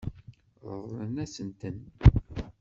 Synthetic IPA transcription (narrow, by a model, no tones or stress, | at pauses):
ð̰ðˤənæsənt̪ən